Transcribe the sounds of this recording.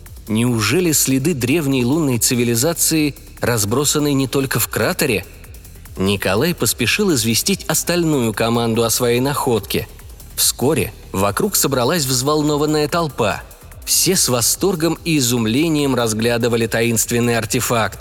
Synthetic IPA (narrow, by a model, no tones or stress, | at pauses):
nʲɪʊʐɛlʲɪsʲlʲɪd̪ɨd̪ɾʲe̞vnʲɪjlˠunːəjt̪sɨvʲɪlʲɪzat̪sɨɪ | rɐzbɾo̞sənːəjnʲɪt̪o̞lʲkəfkɾat̪əɾʲɪ | nʲɪkɐlˠajpəspʲɪʂɨlˠɪzvʲɪsʲtʲitʲɐst̪ɐlʲnujʊkɐmand̪ʊɐsvɐjejnɐxo̞t̪kʲɪ̰ | fsko̞ɾʲɪ̰ | vɐkɾuksəbɾɐlˠasʲvzvɐlˠno̞vənːəjət̪ɐlˠpa̰ | fsʲesvɐst̪o̞rɡəmiːzʊmlʲenʲɪjəmrɐzɡlʲad̪ɨvəlʲɪt̪ɐinst̪vʲɪnːɨjɐrtʲɪfakt̪